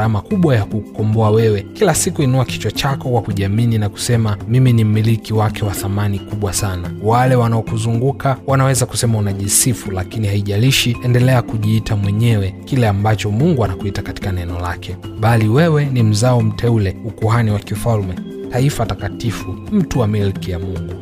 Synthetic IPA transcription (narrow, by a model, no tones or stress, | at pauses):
amakuɓwajakukɔmbɔawɛwɛkilasikuinuaki̥t͡ʃwat͡ʃakɔkwakuʄiamininaku̥sɛmamiminim̩milikiwakɛwaθamanikuɓwasanawalɛwanaɔkuzuŋɡukʰawanawɛzaku̥sɛmaunaʄisifulakinihaiʄaliʃiɛndɛlɛakuʄiːtʰamwɛɲɛwɛkilɛambat͡ʃɔmuŋɡuanakuitakati̥kanɛnɔla̰kʰɛ | ɓaliwɛwɛnim̩zaɔm̩tʰɛulɛukuɦaniwakifalmɛ | taifatakatifum̩tuamilkijamuŋɡu